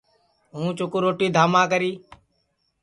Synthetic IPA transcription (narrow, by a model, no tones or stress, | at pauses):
ɦũːt͡ʃʊkːɾoːʈiːd̪ʱaːmãːk̬əɾiː